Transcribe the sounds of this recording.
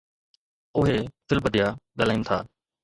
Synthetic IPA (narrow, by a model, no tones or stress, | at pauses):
ʊɦeːfʰɪlbəd̪ijaːɠəl̤aːĩːnɪt̪ʰa̰ː